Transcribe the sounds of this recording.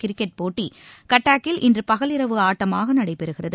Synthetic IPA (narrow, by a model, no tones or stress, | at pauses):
kɪɾɪkːɛʈ̚poːʈːikɐʈːaːkːɪlʔɪndrɯpɐɣɐlɪɾɐʋɯaːʈːɐmaːɣɐnɐɽɐɪpɛɾɯɣɪrɐðɯ